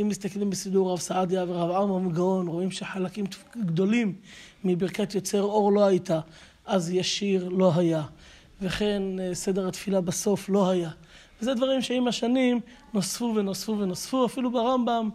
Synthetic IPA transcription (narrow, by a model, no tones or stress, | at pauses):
imːist̪aklimbesid̪uʁːavsaʕad̪javeʁavʕamʁmiɡao̞nʁo̞imʃeħalakimt̪ɡd̪o̞limː | ibiʁkat̪jot͡se̞ʁo̞ʁlo̞hajt̪a | ʔazjaʃiʁlo̞ɦaja | veχe̞nse̞d̪eʁat̪filabaso̞flo̞haja | vezed̪vaʁimʃeimaʃanim | nosfuvenosfuvenosfuafilubaʁambam